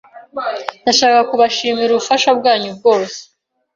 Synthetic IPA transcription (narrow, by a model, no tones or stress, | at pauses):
ndaʃaːkakuβaʃiːmiɾuβufaʃabɡaːɲubɡo̞ːse̥